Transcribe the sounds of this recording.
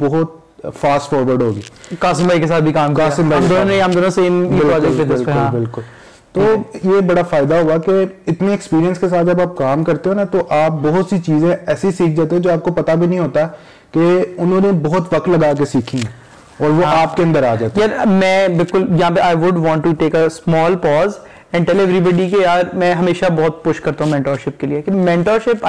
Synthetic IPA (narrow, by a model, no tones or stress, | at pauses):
bɔɦʊt̪̚ | faːsʈfɔːɾʋəɾɖɦoːɡḭːkaːsɪmbaːikes̬aːt̪̚bʱikaːmkikaːsɪ̃mbaːid̪oõnẽĩɐmd̪oːnõseːmiɪlaeeɪlkʊlbɪlkʊl | t̪oːjeːbɐɽafaːɪd̪aɦuakeɪt̪neɛkspiːɾijə̃nskes̬aːt̪̚d͡ʒɐbaːp̚kaːmkɐɾt̪eɦoːnat̪oʔaːp̚bɔɦʊt̪sit͡ʃiːzẽɛːsisiːk̚ʰd͡ʒaːt̪̬eɦɛ̃d͡ʒoːaːp̚kopɐt̪abʱinɐɦĩɦoːt̪a | keʊnɦõːnebɔɦʊt̪ʋɐk̚t̪lɐɡaːk̬esiːkʰĩɦɛ̃ | ɔːɾʋoaːp̚keɐ̃nd̪əɾaːd͡ʒaːt̪ejaɾmɛ̃ːbɪlkʊljɐɦãːpeʔaːɪʋʊɖʋɔ̃ːɳʈːuʈeːkəsmɔːlpɔːz | ɛ̃ɳɖʈɛleːʋɾibɔɖikejaːɾmɛ̃ɦɐmeːʃabɔːt̪̚pʊʃkɐɾt̪aɦũmɛ̃ːɳʈɔːɾʃɪp̚keliekmɛ̃ːɳʈɔːɾʃɪp